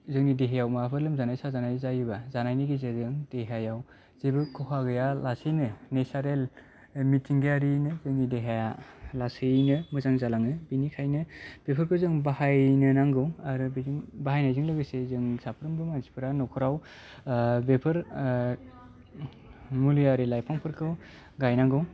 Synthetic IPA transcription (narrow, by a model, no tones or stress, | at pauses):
zɯŋnideɦajawmapʰɯlɯmzanajsazanajzajibazanajniɡizezɯŋdeɦajaw | z̥ebɯkʰːɔkʰaɡɯjalasijnɯnesaɾel | mitʰiŋɡjaɾinɯzɯŋnideɦajalasɯjnɯmɯzaŋzalaŋɯbinikʰajnɯb̥epʰɯɾkʰɯzɯŋbahajnɯnaŋɡɯwaɾubizŋbaɦajnajzɯŋlɯɡɯsezɯŋsapʰɾɯmbɯmansi̥pʰɯɾanɔkʰɔɾaw | bepʰɯɾ | mulijaɾilajpʰaŋpʰɯɾkʰɯw | ɡajnaŋɡɯw